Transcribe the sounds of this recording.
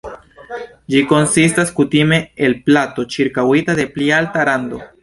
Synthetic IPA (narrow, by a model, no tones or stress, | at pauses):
d͡ʒiko̞nsis̬taskutime̞elplato̞t͡ʃiɾkawitade̞plialtaɾando̞